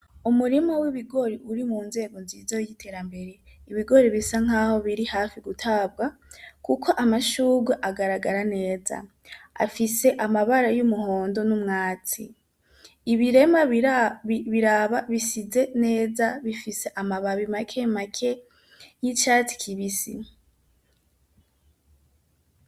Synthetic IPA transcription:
umuɾimowiβiɡo̞ɾiʔuɾimuːnze̞ːɡo̞nzizojitʰe̞ːɾambe̞ɾe̞iβiɡo̞ɾiβisaŋ̥aːho̞βiɾihaːfiɡutʰab̚ɡakukʰo̞ʔamaʃuːɡweʔaɡaɾaɡaɾane̞ːza̰ | a̰fise̞ʔamaβaɾajumuho̞ːndo̞numŋaːt͡sḭː | βiɾe̞ma | βiɾaβaβisize̞ne̞ːzaβifise̞ʔamaβaβimakʰe̞makʰe̞ | jit͡ʃaːt͡si̥kʰiβisḭ

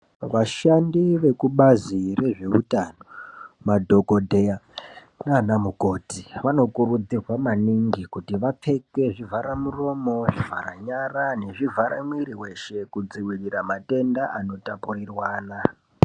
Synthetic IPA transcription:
ʋaʃandiʋe̞kuɓazire̞ʐe̞utano̞madʱo̞ko̞dʱeja | nanamuko̞tiʋano̞kurud͡zirwamaniŋɡikutiʋap͡fe̞ke̞ʐivʱaɾamuro̞mo̞ʐivʱa̰ɾa̰ɲarane̞ʐivʱaɾamwiɾiwe̞ʃe̞kud͡ziwiriramate̞ndaʔano̞tapurirwaːna

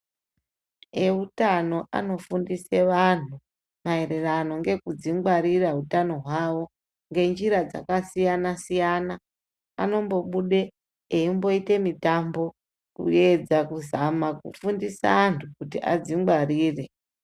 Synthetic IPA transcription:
e̞utano̞ʔa̰no̞fundise̞ʋan̤u | mae̞re̞rano̞ŋɡe̞kud͡ziŋɡ͡baɾiraɦutano̞ɦwaʋo̞ | ŋɡe̞nd͡ʒiɾad͡za̰kasijanasijana | a̰no̞mbo̞ɓuɗe̞ | eimbo̞ite̞mitambo̞ | kṵe̞d͡zakuzamakṵfundisa̰ːntʰukutiʔa̰d͡ziŋɡariːre̞

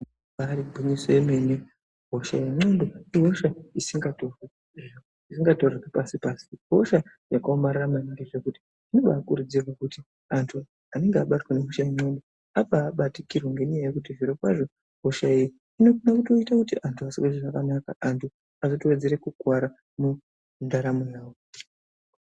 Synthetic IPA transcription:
aɾibʱuɲisoeme̞ne | ɦoʃa̰jeŋ͡ǀondo̞iɦo̞ʃaisiŋɡatore | isiŋɡatorekepasipasi̥ɦoʃa | jakaomaɾaramanaɡeʐekuti̥ | ino̞ɓaːkuɾud͡zirwakuti | antʰu | ane̞ŋɡeaɓatweneɦoʃaiŋ͡ǀondo | apaːɓatikirwaŋɡe̞ɲajaje̞kutiʐiɾokwaʐo̞ | ɦoʃaiːji | ino̞konakuto̞itakutiʔantʰuasikeziʐakanakaantʰu | azotiwe̞d͡ze̞ɾe̞kuɡʱwaɾa | mu | ndaɾamunaːwo

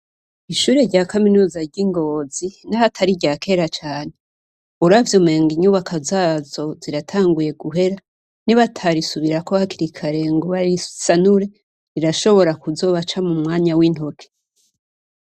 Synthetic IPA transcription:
iʃuːɾe̞ɾɟaːkaminuːzaɾɟiŋɡo̞ːzinahatʰaɾiɟaːkʰe̞ːɾat͡ʃaːne | uɾavjo̞meːŋɡiɲuːβakʰazaːzo̞ziɾatʰaːŋɡuje̞ɡuɦe̞ɾa | niβatʰaɾisuβiɾakohakiɾikʰaɾe̞ŋɡoβaɾisanuɾe̞ | ɾiɾaʃo̞βo̞ɾakuzo̞βat͡ʃamumŋaːɲawin̥ho̞kʰe̥

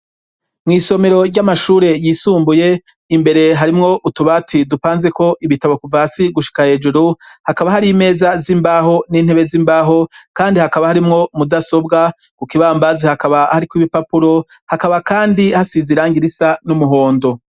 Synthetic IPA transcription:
mŋiːso̞me̞ɾo̞ɾɟamaʃuːɾe̞jiːsuːmbuje̞ | imbe̞ɾe̞ɦaɾimŋo̞ʔutuβatʰidupaːnze̞ko̞ʔiβitaβokuvasiɡuʃi̥kahe̞ːd͡ʒuɾuhakaβahaɾime̞ːzazimbaːɦo̞niːn̥he̞βe̞ziːmbaːɦo̞kaːndihakaβahaɾimŋo̞mudaso̞bɡa | kukiβaːmbazihakaβahaɾikwiβipapuɾo̞ | hakaβakaːndihasiziɾaːŋɡiɾisanumuɦo̞ːndo̞

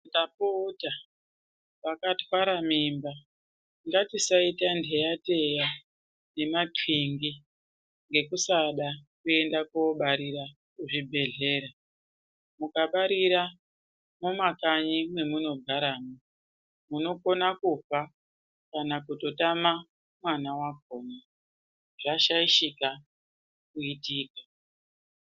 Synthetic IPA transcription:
ndapota | pakatwaɾamimba | ŋɡatisaitandejate̞ja | ne̞mapiŋɡi | ŋɡe̞kusaɗakue̞ndakuɓaɾiɾa | kuʐibʱe̞ɮe̞ːɾa | mukaɓaɾiɾa | momakaɲimwe̞muno̞ɡʱaɾaːmo | muno̞ko̞nakupa | kanakuto̞tama | mwanawaɡ̚ʱoːma | ʐ̥aʃaiʃika | kuitiːkḁ

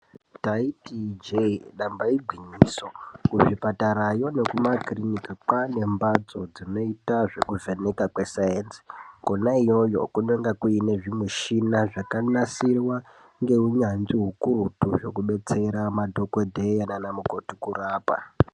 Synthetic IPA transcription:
taitid͡ʒeɗambaiɡʱwiɲiːso̞kuʐipataɾajo̞ne̞kumakrinikakwane̞mbad͡zo̞d͡zino̞itaʐe̞kuvʱe̞ne̞kakwe̞sajensi̥konaijo̞jo̞̰kuneŋɡakuine̞ʐimeʃinaʐakanasirwa | ŋɡe̞uɲand͡ziɦukuɾutuʐo̞̰kuɓe̞t͡se̞ɾamadʱo̞kodʱejananamuko̞tukuraːpa̰

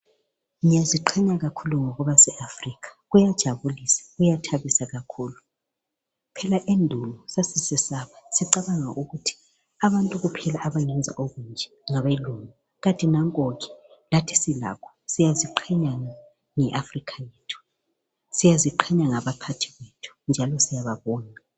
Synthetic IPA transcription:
ŋijaziǃʰɛɲaɣakʰuluŋɔɣɔβasɛʔafrikʰḁɣujad̥ʒ̥ʱaβulisḁɣujatʰaβisaɣakʰuːlu | pʰɛlaʔendʱulɔsasisɛsaβasiǀaβaŋa̰ʔuɣutʰi̥ | aβantʼuɣupʰɛlaʔaβaŋɛnd͡zʱa̰ʔoɣund͡ʒʱɛ | ŋaβaluŋa | ɣatʼinaŋkʼoɣi̥latʰi̥sila̰kʰɔ̥sijaziǃʰɛɲaŋa | ŋɛʔafrikʰajeːtʰu̥ | sijaziǃʰɛɲaŋaβapʰatʰiɣetʰu̥nd͡ʒʱalɔsijaβaβɔːna

